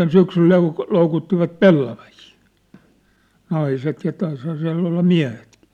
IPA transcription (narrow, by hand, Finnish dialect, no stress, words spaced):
syksyl lou loukutːiʋɑt pelːɑʋɑhiː nɑiset jɑ tɑishɑː siæ̝lː olːɑ miæ̝hetki̥